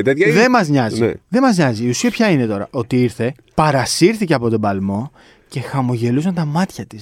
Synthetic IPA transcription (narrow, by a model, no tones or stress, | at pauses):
t̪et̪çðemɐzɲɐziðe̞mɐzɲɐziːusiɐpçɐine̞t̪o̞ɾɐ̰ʔo̞t̪iiɾθe̞ | pɐɾɐsiɾθice̞ɐpo̞t̪o̞bɐlmo̞ | ce̞xɐmo̞ʝe̞lusɐnt̪ɐmɐt̪çɐt̪i̥s